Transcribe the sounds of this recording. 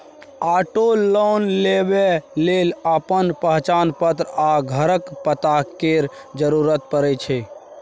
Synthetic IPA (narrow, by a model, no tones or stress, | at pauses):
aʈolonlebeleləpənpəɦt͡ʃaːnpət̪ɾaɡʱəɾəkpət̪akeɾ | d͡ʒəɾuɾət̪̚pəɾɛt͡ʃʰɛ